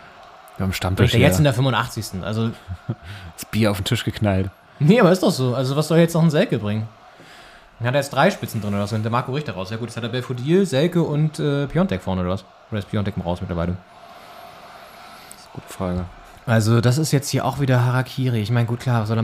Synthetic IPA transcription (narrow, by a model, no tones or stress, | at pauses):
jaamʃtamtʰɪʃajɛtɪndeːɐfʏmvʊntʔa̰χt͡sɪçstn̩ʔa̰lzo̥ | asb̥iːɐaʊfm̩tʰɪʃɡ̥əkʰnalt | nəʔabɐɪstd̥ɔχz̥oːʔalzovasz̥ɔljɛt͡snɔχnəzɛlkəbʁɪŋən | hatdaːjɛt͡std̥ʁaɪʃpɪt͡sn̩dʁɪnoːdɐvaszonndɐmaɐkoʁɪçtɐʁaʊsjaːɡuːtshatdabɛlfodiːzɛlkəʊntʔɛːpʰjɔntʰɛkfɔɐnəoːɾɐvas | ʔoːdɐɛspʰjɔntɛkɔmʁaʊsmɪtlɐvaɪlə | snəɡṵːtə̥fʁ̥aːɡə | ʔalzodas̬ɪstjɛt͡sthiːɐʔa̰ʊxv̥iːdɐɦaʁakʰiːʁiɪçmaɪnəɡuːtkʰl̥aːɐvasz̥ɔl